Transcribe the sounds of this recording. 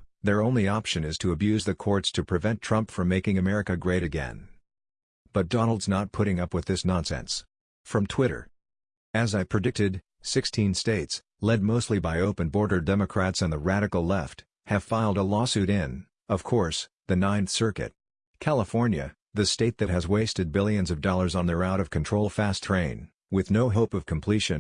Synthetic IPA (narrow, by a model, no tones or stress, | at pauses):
ðə˞õʊ̃nliɑpʃɨ̃nɨz̥tʰɨːbjʉzðɨkʰɔɹtstʰɨpʰɹ̥ɨvɛ̃ntʰɹ̥ʌ̃mpfɹʌ̃mːeɪkɪ̃ŋɨmɛɹɨkɨɡɹeɪɾɨɡɛ̰̃n | b̥ʌt̚d̥ɑnl̩ˠdznət̚pʰʊɾɪ̃ŋʌpwɨðɪsnɑ̃nsɛ̰̃ns | fɹʌ̃mtʰw̥ɪɾə̰˞ | ɨzaɪpʰɹ̥ɨdɪk̚tɨd | sɪkstʰĩnsteɪts | lɛd̚moʊstˡlibaɪoʊpɨ̃nbɔɹɾə˞dɛmɨkʰɹ̥ætsɨ̃nðəɹæɾɨkl̩ˠlɛft̚ | hɨv̥faɪlˠdəlɔsʉɾɪ̃n | ʌv̥kʰɔɹs | ðɨnãɪ̃nθsɜ˞kɨ̰t̚ | kʰælˠəfɔɹnjɨ̰ | ðɨsteɪt̪̚ðɨt̚ɦɨzweɪstɨd̚bɪlˠjɨ̃nzʌvdɔlˠə˞zn̩ðə˞aʊɾʌv̥kʰɨ̃n̩tʰɹ̥oʊlˠfæstʰɹ̥ẽɪ̃n | wɨðnoʊɦoʊpʌv̥kʰm̩pʰl̥iʃɨ̃n